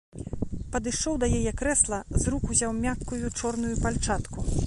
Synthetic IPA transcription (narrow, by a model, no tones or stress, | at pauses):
pɐd̪ɨʂɔwd̪ɐjajɛkɾɛslˠɐzɾukuzʲawmʲakːujut͡ʂɔrn̪ujupalʲt͡ʂat̪ku